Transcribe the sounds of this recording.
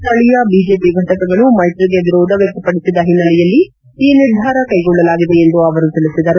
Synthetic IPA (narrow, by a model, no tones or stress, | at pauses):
t̪ɐɭijɐbiːd͡ʒe̞ːpiɡʱɐʈɐkɐɡɐɭumɐjʈɾiɡeʋiɾɔːd̪ʱɐʋjɐk̚t̪ɐpːɐɽisid̪ːɐɦinːɐlɛjɐlːi | iːniɾd̪ʱaːɾɐkɐjɡɔɭːɐlaːɡiʋeend̪uɐʋɐɾut̪ilisid̪ɐɾu